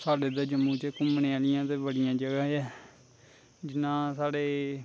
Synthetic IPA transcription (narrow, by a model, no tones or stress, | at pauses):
saːɖeːd̪eːd͡ʒəmuːt͡ʃəkʊmneːaːlɪjãːt̪eːbəɽɪjãːd͡ʒəɡaːɛː | d͡ʒɪnːãːsaːɽeː